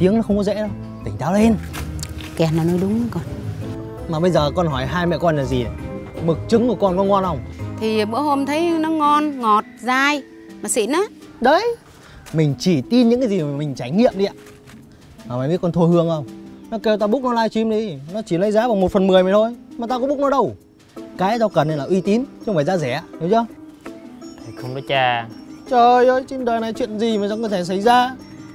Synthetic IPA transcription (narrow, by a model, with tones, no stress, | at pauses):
t̪i˨˦əŋnɔ˨˦˥xə˧wŋ͡mkɔ˨˦zɛ̰˧˥ɗə˧w | t̪ï˨˩ŋ̟t̪ʰaː˨˦wle˧n | kɛ˨˩naː˨˩no˨˧˦jɗʊ˨˦ŋ͡mkɔ˨˩n | maː˨˩ɓə˧jzəː˨˩kɔ˧nɦɔ˧˩jɦaː˧jmɛ̰˧˨kɔ˧nlaː˨˩zi˨˩˨mɨ˨˩k̚t͡ɕɨ˨˦ŋku˧˩əkɔ˧nkɔ˨˦ŋɔ˧nhə˧wŋ͡mt̪ʰi˨˩ɓɨ̰˧˥əho˧mt̪ʰə˨˦jnɔ˨˦ŋɔ˧nŋɔ˨˩t̚zaː˧j | maː˨˩sḭ˧˨nɔ˨˦ | ɗə˨˧˦j | mï˨˩ŋ̟t͡ɕi˧˩t̪i˧nɲɨ̰˧˥ŋkaː˨˦zi˨˩maː˨˩mï˨˩ŋ̟t͡ɕaː˧˩jŋḭ˧˨əmɗi˧ʔaː˧˨ | maː˨˩ma˨˦ɓi˦˥t̚kɔ˧nt̪ʰo˧hɨ˧əŋʔə˧wnɔ˨˦ke˧wt̪aː˧ɓk̚nɔ˨˦laː˧jt͡ɕi˧mɗi˧nɔ˨˦t͡ɕi˧˩lə˨˦jzaː˨˦vaː˨˩wmo˨˩t̚fə˨˩nmɨ˨˩əma˨˩t̪ʰo˧jma˨˩t̪aː˧kɔ˧˦ŋ͡mɓʊ˦˥k̚nɔ˨˦ɗə˧w | kaː˨˦jzɔ˧kə˨˩nːe˧nlaː˨˩ʔwi˧t̪i˨˦nt͡ɕo˧ŋ͡mfaː˨˩zaː˧zɛ˧˩aː˧˦ɗə˨˦t͡ɕə˧˦ | t̪a˨˩xə˧wŋ͡mkɔ˨˦t͡ɕaː˧˩t͡ɕə˧˩ʔjo˧˩jt͡ɕi˧nɗəː˨˩jna˨˩jt͡ɕwḭ˧˨ənzi˨˩maː˨˩za˧˦kə˧˩t̪ʰe˧˩s̬a˧˩jzaː˧